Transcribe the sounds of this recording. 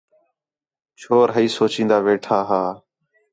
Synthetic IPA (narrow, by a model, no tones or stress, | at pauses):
t͡ʃʰoːɾɦəiːsoːt͡ʃĩːnd̪aːʋeːʈʰaːɦaː